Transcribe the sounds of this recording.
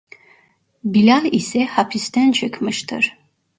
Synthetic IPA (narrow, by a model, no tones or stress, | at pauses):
bilʲalˠisɛhapʰist̪ʰænt͡ʃʰɯkmɯʃt̪ʰɯ̰ɾ̥